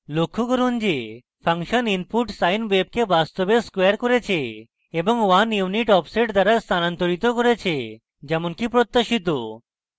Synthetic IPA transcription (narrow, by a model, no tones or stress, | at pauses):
lokʰːukɔɾund͡ʑe | pʰaŋʃɔninpuʈsajnʋeb̚kebast̪obeskwejaɾkoɾet͡ɕʰe | ebɔŋwanjuniʈɔpseʈd̪aɾast̪ʰanant̪oɾit̪okoɾet͡ɕʰe | d͡ʑɛmonkipɾot̪ːaʃit̪̬o